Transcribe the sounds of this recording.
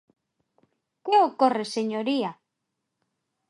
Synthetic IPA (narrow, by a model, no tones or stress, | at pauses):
keokoreseɲoɾia